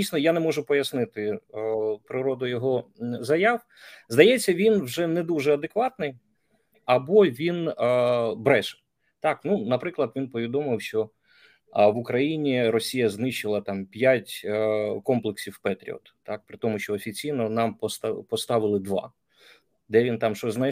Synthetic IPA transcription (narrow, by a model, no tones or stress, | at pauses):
dʲijsʲnɔjanɛmɔʒʊpɔjɐsnɪt̪ɪ | pɾɪɾɔd̪ʊjɔɦɔzɐjɑw | zd̪ɐjɛt͡sʲːɐʋʲinwʒɛnɛd̪uʒɛɐd̪ekʋɑt̪nɪj | ɐbɔʋʲin | bɾɛʃ | t̪ɑknunɐpɾɪklˠɐd̪ʋʲinpɔʋʲid̪ɔmɪwʃt͡ʃɔ | ʋʊkɾɐjinʲiɾɔsʲijɐznɪʃɪlˠɐt̪ɑmpʲjatʲkɔmplˠɪksʲiwpɛt̪ʲɾʲḭɔ̰t̪t̪ːɑk̚pɾɪt̪ɔmʊʃt͡ʃɔːfʲit͡sʲijnɔnɑmpɔst̪pɔst̪ɑʋɪlˠɪd̪ʋɑ̰ | d̪ɛʋʲint̪ɑmʃt͡ʃɔznɛ